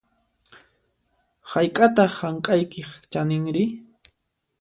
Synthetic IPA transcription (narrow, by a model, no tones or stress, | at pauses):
hajkʼat̪aχhaŋkʼajkɪχt͡ʃanɪŋɾɪ